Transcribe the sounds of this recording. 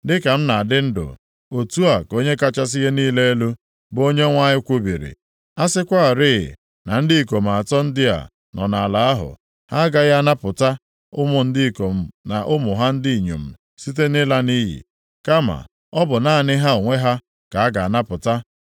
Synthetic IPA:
dɪ˦ka˨m̩˦na˨a˨dɪ˦n̩˦dʊ̰˨ | o˨tu˦a˨ko˦ɲe˦ka˦t͡ʃa˦s̬i˦ɦe˦niː˦le˦e˦lu˦ | bo˦ɲe˦ŋʷa˦ɲɪ˦kʷu˦bḭ˨ɾḭ˨ | a˦sɪ˦kʷa˦a˨ɾɪ̰˦˨ | na˨n̩˦dɪ˦i˨k̬o˨m̩˨a˨tɔ˦n̩˦dɪ˦a̰˨ | nɔ˨na˨la˨˦a˦ɦʊ̰˨ | ha˦ɡa˨ɣa˦na˦pʊ˨ta˦ | ʊ˦mʊ˨n̩˦di˦i˨ko˨m̩˦na˨ʔʊ˦mʊ˨ɦa˦n̩˦dɪ˦i˨ɲo̰˨m̩˨ | si˦t̬e˦nɪ˦la˦ni˦ɦḭ˨ | ka˦ma̰˨ | ɔ˦bʊ˨na˦˨nɪ˦ɦa˦o˨ŋʷe˦ɦa˦ | ka˨a˦ɡa˨a˨na˦pʊ˨ta˦

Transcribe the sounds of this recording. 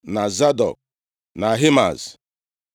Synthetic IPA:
na˨za˦dɔ̰˨k̚ | na˨ɦi˦ma̰˨z

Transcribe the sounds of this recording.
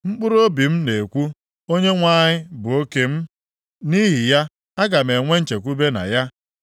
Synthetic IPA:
ŋ͡m̩˦k͡pʊ˦ɾo˦bi˨m̩˦ne˨kʷu˦ | o˦ɲe˦ŋʷa˦ɲɪ˦bʊ˨o˦ke˦m̩˦ | ni˦ɦi˨ja˦ | a˦ɡa˨me˨ŋʷe˦n̩˦t͡ʃe˨kʷu˦be˦na̰˨ja˦

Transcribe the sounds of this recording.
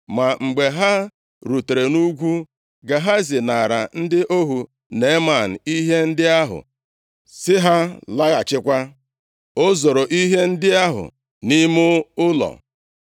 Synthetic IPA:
ma˨ŋ͡m̩˨ɡ͡be˨ɦa˦ | ɾu˨te˨ɾe˨nu˦ɡʷu˦ | ɡa˨ɦa˦zɪ˨na˨ɾa˨n̩˦dɪ˦ʔo˦ɦu˨ | ne˨˦ma˨n̩˨i˦ɦe˦n̩˦dɪ˦a˦ɦʊ̰˨ | sɪ˦ɦa˦la˦ɣa˨t͡ʃɪ˦kʷa˦ | o˦zo˨ɾo˨ʔi˦ɦe˦n̩˦dɪ˦a˦ɦʊ̰˨ | ni˦mʊ˦ʊ˦lɔ̰˨

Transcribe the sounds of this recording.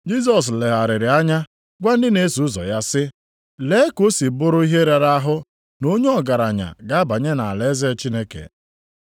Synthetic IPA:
d͡ʒi˦s̬ɔ˨s̬le˨ɦa˨ɾɪ˨ɾɪ˨a˦ɲa˦ | ɡʷa˦n̩˦dɪ˦ne˨˦su˨ʊ˦zɔ̰˨ja˦sɪ˦ | le˦ko˦si˨bʊ˦ɾʊ˦i˦ɦe˦ɾe˨ɾa˦a˦ɦʊ˦ | no˦ɲe˦ɔ˨ɡa˨ɾa˨ɲa̰˨ɡa˦ba˨ɲe˦na˨a˨le˦ze˦t͡ʃi˦ne˦kḛ˨

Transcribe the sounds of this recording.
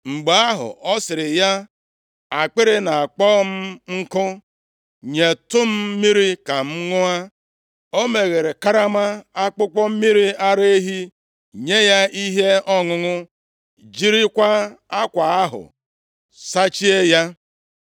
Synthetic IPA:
ŋ͡m̩˨ɡ͡be˨a˦ɦʊ̰˨ʔɔ˦sɪ˨ɾɪ˨ja˦ | a˨k͡pɪ˦ɾɪ˦na˨a˨k͡pɔ˦m̩˦ŋ̩˦kʊ˦ | ɲe˨tʊ˦m̩˦mi˦ɾi˦ka˨m̩˦ŋʊ˦a˦ | o˦me˨ɣe˨ɾe˨ka˦ɾa˦ma˦a˦k͡pʊ˦kɔ˦m̩˦mi˦ɾi˦a˦ɾe˦e˦ɦi˦ | ɲe˦ja˦i˦ɦe˦ɔ˦ŋʊ˨ŋʊ˦ | d͡ʒi˦ɾi˦kʷa˦a˦kʷa˨a˦ɦʊ̰˨ | sa˦t͡ʃi˦e˦ja˦

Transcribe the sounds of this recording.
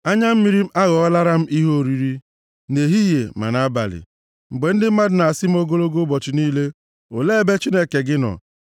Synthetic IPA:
a˦ɲa˦m̩˦mi˦ɾi˦a˦ɣɔ˨ɔ˦la˦ɾa˦m̩˦ʔi˦ɦo˦˨ɾi˨ɾi˦ | ne˨ɦi˦je˨ma̰˨na˦ba̰˨lɪ̰˨ | ŋ͡m̩˨ɡ͡be˨n̩˦dɪ˦m̩˦ma˦dʊ˨na˨sɪ˦m̩˦o˦ɡo˦lo˦ɡo˦bɔ˨t͡ʃɪ˨niː˦le˦ | o˨le˦˨be˦t͡ʃi˦ne˦ke˨ɡɪ˦nɔ̰˨

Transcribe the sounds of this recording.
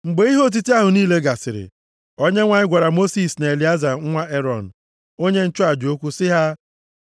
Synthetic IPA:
ŋ͡m̩˨ɡ͡be˨˦i˦ɦo˦˨t̬i˦ti˦a˦ɦʊ˨niː˦le˦ɡa˨sɪ˨ɾɪ̰˨ | o˦ɲe˦ŋʷa˨ɲɪ˦ɡʷa˨ɾa˨mo˦si˨sna˨e˨li˨a˦za˨˦ŋ̩˦ŋʷa˦e˦ɾɔ˨n̩˨ | o˦ɲe˦n̩˦t͡ʃʊ˦a˨d͡ʒo˦kʷu˦sɪ˦ɦa˦

